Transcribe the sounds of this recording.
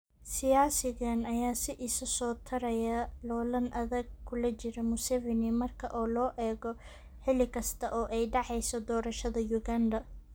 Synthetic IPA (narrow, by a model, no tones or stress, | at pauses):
sɪjaːsɪɣɐnɐjaːsɪʔɪsɐsɔːt̪ʰɐɾɐjɐlɔːlɐnʔɐðɐɡ̚kʰʊlɐt͡ʃɪɾɔmʊsɛvɛnɪmɐrkʰɐʔɔːlɔːʔɛːɣɔ | ħɪlɪkʰɐst̪ʰɐʔɔːʔɛjɖɑʕɛjsɔd̪ɔːɾɐʃɐðɐjʊɣaːnd̪ɐ